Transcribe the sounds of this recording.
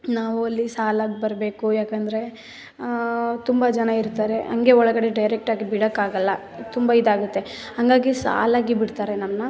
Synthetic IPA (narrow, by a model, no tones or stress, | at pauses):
naːʋuɐlːisaːlaːɡibɐɾbe̞ːkujaːkɐnd̪ɐɾe̞ | t̪umbɐd͡ʒɐnɐiɾt̪aːɾe̞ʔɐ̰ŋɡe̞ɔɭɐɡɐɽe̞ɖɐjɾek̚ʈaːɡibiɽɐkːaːɡɐlːɐ | t̪umbaid̪aːɡut̪ːe̞hɐŋɡaːɡisa̰ːlaːɡibiɽt̪aːɾenɐmnɐ